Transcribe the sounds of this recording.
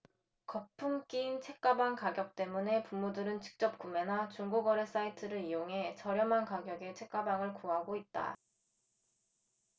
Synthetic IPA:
kʌpʰuŋk͈iːnt͡ɕʰe̞k̚k͈abaŋkaɡjʌk̚t͈e̞mune̞pumːudɯɾɯnt͡ɕi̥k̚t͡ɕ͈ʌp̚k͈ume̞nat͡ɕuŋɡoɡʌɾe̞s͈aitʰɯɾɯɾijoŋɦe̞t͡ɕʌɾjʌmankaɡjʌɡe̞t͡ɕʰe̞k͈abaŋɯɭkuɦaɡoit̚t͈a̰

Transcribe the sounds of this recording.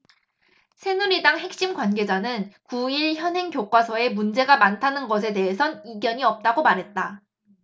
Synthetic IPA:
sʰe̞nuɾidaŋɦe̞k̚ɕ͈imɡwanɡe̞d͡ʑanɯnkuiɭçjʌnɦe̞ŋkjok͈wasʰʌe̞mund͡ʑe̞ɡamantʰanɯnɡʌs̬ʰe̞de̞ɦesʰʌniɡjʌɲiʌp̚t͈aɡomaɾɦe̞t̚t͈a

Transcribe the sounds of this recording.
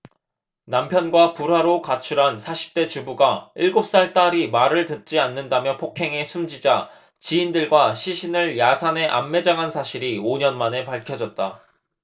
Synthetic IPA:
nampʰjʌnɡwapuɾɦwaɾokat͡ɕʰuɾɦansʰaɕʰi̥p̚t͈e̞t͡ɕubuɡaiɭɡop̚s͈aɭt͈aɾimaɾɯɭtɯt̚t͡ɕ͈ianːɯndamjʌpʰokʰe̞ŋe̞sʰumd͡ʑid͡ʑa | t͡ɕiːndɯɭɡwaɕʰiɕʰinɯɭjasʰane̞ʔa̰mːe̞d͡ʑaŋɦansʰaɕʰiɾioɲʌnmane̞paɭkʰjʌd͡ʑʌt̚t͈a

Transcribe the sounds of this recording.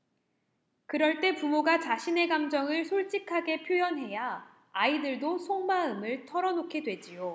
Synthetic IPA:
kɯɾʌɭt͈e̞pumoɡat͡ɕaɕʰine̞ɡamd͡ʑʌŋɯɭsʰoɭt͡ɕ͈ikʰaɡe̞pʰjojʌnɦe̞jaː | idɯɭdosʰoŋmaɯmɯɭtʰʌɾʌnokʰe̞dwe̞d͡ʑijo

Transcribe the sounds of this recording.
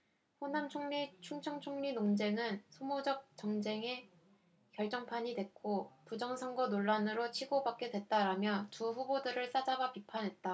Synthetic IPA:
ɸonamt͡ɕʰoŋɲit͡ɕʰuŋt͡ɕʰʌŋt͡ɕʰoŋɲinoŋd͡ʑe̞ŋɯnsʰomod͡ʑʌk̚t͡ɕ͈ʌŋd͡ʑe̞ŋe̞ | kjʌɭt͡ɕ͈ʌŋpʰaɲidwe̞k̚k͈opud͡ʑʌŋsʰʌŋɡʌnoɭːanɯɾot͡ɕʰiɡobak͈̚e̞dwe̞t̚t͈aɾamjʌtuɸubodɯɾɯɭs͈ad͡ʑabapipʰanɦe̞t̚t͈a

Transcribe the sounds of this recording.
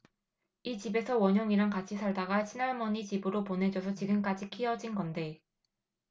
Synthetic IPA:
it͡ɕibe̞sʰʌwʌɲʌŋiɾaŋkat͡ɕʰisʰaɭdaɡaɕʰinaɭmʌɲit͡ɕibɯɾopone̞d͡ʑʌs̬ʰʌt͡ɕiɡɯmk͈ad͡ʑikʰiʌd͡ʑinɡʌnde̞

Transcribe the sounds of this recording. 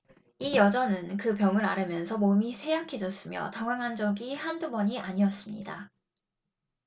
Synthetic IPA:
ijʌd͡ʑʌnɯnkɯpjʌŋɯɾa̰ɾɯmjʌnsʰʌmomisʰe̞jakʰe̞d͡ʑʌs͈ɯmjʌ̰taŋwaŋɦand͡ʑʌɡihandubʌɲiʔaɲiʌs͈ɯmɲḭda̰

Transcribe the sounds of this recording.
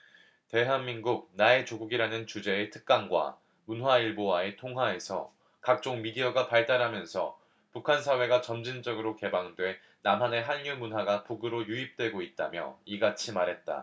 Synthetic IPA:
te̞ɦanmːinɡuk̚nae̞t͡ɕoɡuɡiɾanɯnt͡ɕud͡ʑe̞ːtʰɯ̥k̚k͈aŋɡwa̰ | munɦwaiɭbowae̞tʰoŋɦwae̞sʰʌ̰ | kak̚t͡ɕ͈oŋmiɡiʌɡapaɭt͈aɾɦamjʌnsʰʌ̰ | pukʰans̬ʰawe̞ɡat͡ɕʌmd͡ʑind͡ʑʌɡɯɾoke̞baŋdwe̞ | namɦane̞ɦanjumunɦwaɡapuɡɯɾojuip̚t͈we̞ɡoit̚t͈a̰mjʌ̰iɡat͡ɕʰimaɾɦe̞t̚t͈a̰

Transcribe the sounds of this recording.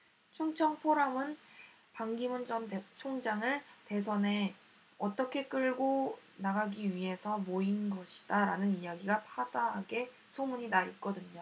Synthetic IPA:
t͡ɕʰuŋt͡ɕʰʌŋpʰoɾamɯn | paŋɡimund͡ʑʌntet͡ɕʰoŋd͡ʑaŋɯɭte̞s̬ʰʌne̞ | ʌt͈ʌkʰe̞k͈ɯɭɡonaɡaɡiɥiɦe̞sʰʌmoinɡʌɕʰi̥d̥aɾanɯnijaɡiɡapʰadaɦaɡe̞ | sʰomuɲinait̚k͈ʌdɯɲo

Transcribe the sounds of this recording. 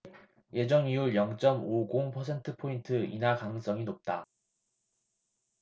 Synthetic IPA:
je̞d͡ʑʌŋiuɭjʌŋt͡ɕ͈ʌmoɡoŋpʰʌsʰe̞ntʰɯpʰointʰɯḭnakas͈ʌŋinop̚t͈a

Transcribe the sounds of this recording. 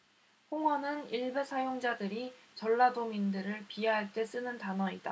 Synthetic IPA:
ɸoŋwʌnɯniɭbesʰajoŋd͡ʑadɯɾit͡ɕʌɭːadomindɯɾɯɭpieɦaɭt͈e̞s͈ɯnɯntanʌida

